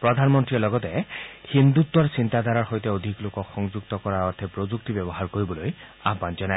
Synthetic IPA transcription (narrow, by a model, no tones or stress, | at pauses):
pɾɔd̪ʱanmɔnt̪ɾiɔlɔɡɔt̪ehind̪ut̪ːwaɹsint̪ad̪ʱaɾaɹɦojt̪eod̪ʱiklokɔkxɔŋd͡ʒukt̪ɔkɔɾaɔɾt̪ʰɛpɾod͡ʒuk̚t̪ibɔbɔɦaɾkoɾibɔlojapand͡ʒɔna